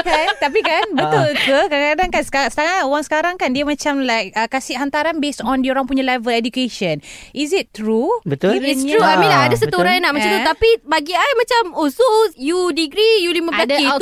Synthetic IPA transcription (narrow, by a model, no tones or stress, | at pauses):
kant̪apikanbət̪ulkəkaadaŋkansə̥kasə̥kaŋaoɾaŋsə̥kaɾaŋkandiəmãt͡ʃamlajk̚əkːasiʔɦant̪aɾanbesɔ̃ndioɾaŋpuɲalavəlɛdukeʃə̃nʔizit̚tɾubət̪ulisɾuamĩnlaɦadəs̬ət̪uɾajnaʔmat͡ʃamt̪ut̪apibaɡiajmãt͡ʃamosusjudiɡɾijuliməadi